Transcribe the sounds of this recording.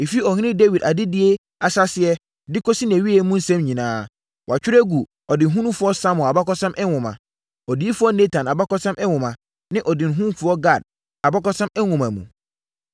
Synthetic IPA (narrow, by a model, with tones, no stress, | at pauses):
e˨fi˦ɔ˨ɦɪ̃˦ɪ̃˦de˦wi˨da˨dɪ˦dɪ˨˦e˦ | a˨sa˦sɪ˨ɛ˦ | dɪ˦ko˦si˦n˨æ̃˨ɥi˦ɛ˨˦mũ˦n̩˦sɛ̃˦mɲĩ˨nãː˦ | wʔa˨t͡ɕᶣɪ˦ɾɛ˦ɡu˨ | ɔ˨dɪ˨n̩˨ɦũ˦nũ˦fʊ˦ɔ˦sã˦mɔ˨a˨ba˦kɔ˦sã˦mʔɛ˦wʊ̃˨mã̰˨ | ɔ˨di˨˦e˦fʊ˦ɔ˦ne˦tʰã˨na˨ba˦kɔ˦sã˦mʔɛ˦wʊ̃˨mã˨ | nɪ̃˦ʔɔ˨dɪ˨n̩˨ɦũ˦fʊ˨˦ɔ˦ɡa˨d̚ | a˨ba˦kɔ˦sã˦mɛ˦ŋʊ̃˨mã˨mṵ̃˨